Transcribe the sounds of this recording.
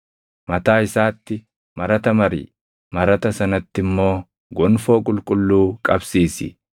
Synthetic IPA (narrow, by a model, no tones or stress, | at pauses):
mɐt̪aːɪsaːt̪ːɪ | mɐɾɐt̪ɐmɐɾḭː | mɐɾɐt̪ɐsɐnɐt̪ːɪmːo̞ː | ɡɔnfo̞ːkʼʊlkʼʊlːuːkʼɐbsiːsɪ̰